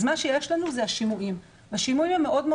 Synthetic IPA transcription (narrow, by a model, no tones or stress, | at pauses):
zmanʃejeʃlanuzeaʃimuʔim | vaʃimuimjemeʔo̞d̪me